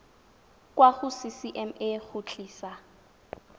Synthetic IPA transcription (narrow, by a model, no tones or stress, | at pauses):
kʼwaχʊsisiʔɛmeχʊt͡ɬʼiːsa